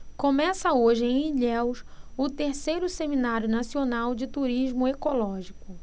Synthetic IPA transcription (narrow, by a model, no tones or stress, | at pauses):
kõmɛsɐoʒɪẽj̃iʎɛwʃʊt̪eɾsejɾʊseminaɾjʊnasionawd͡ʒɪt̪uɾiʒmʊekolɔʒikʊ